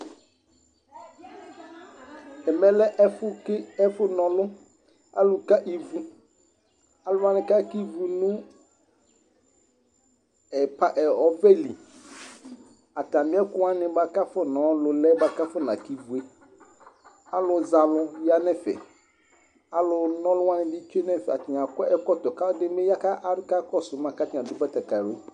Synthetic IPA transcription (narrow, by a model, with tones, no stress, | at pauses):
ɛ˨mɛ̃˨lɛ˦ʔɛ˦fʊ˦ɪ˦ɛ˦fʊ˦nɔ̃˨lʊ˦ | a̰˦lʊ˨ka˦ʔi˨vu˨ | a˦lʊ˦a˦nɪ̃˨ka˦ki˦vu˨nũ˦ | ɛ˨pa˨ʔɛ˨ɔ˨vɛ˦li˨ | a˨tã˨mɪ̃˨˦ɛ˦kʊ˦a˦nɪ̃˨ba˨ka˦fɔ˦nɔ̃˨˦lʊ˨lɛ˦ba˨ka˦fɔ˦nã˨ki˦vu˨e˦ | a˦lʊ˨za˨lʊ˦ja˦nɛ̃˦fɛ̰˨ | a˦lʊ˨nɔ̃˦lʊ˦wa˦nɪ̃˨bi˦t͡ʃe˦nɛ̃˦˨fɛ˨a˨tɪ˨ã˨kɔ˦ɛ˦kɔ˦t̪ɔ˨ka˦dɪ˦e˦ja˦ka˦ʔa˦ka˦kɔ˦sʊ˨mã˨ka˦tɪ̃˨a˨dʊ˦bɛ˦t̪ɛ˨ka˨ɾe˦